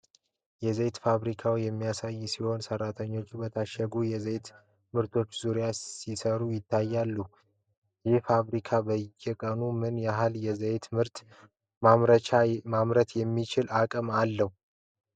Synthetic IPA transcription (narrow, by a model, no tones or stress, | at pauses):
jɛzəjt̪faβɾikʰawjɛmːijasajːsiho̞nsərːat̪ʰəɲːo̞t͡ʃːbət̪ʰaʃːəɡujɛzejt̪ | mɨɾt̪ʰo̞t͡ʃːzuɾjaisəɾujɪt̪ʰːajːalːu | jɪhfaβɾikʰabəjːɛkʼənumɨnjaɦaljɛzəjt̪mɨɾt̪ | aɾəamamɾət̪ʰjɛmːit͡ʃɪlakʼɨmalːəhu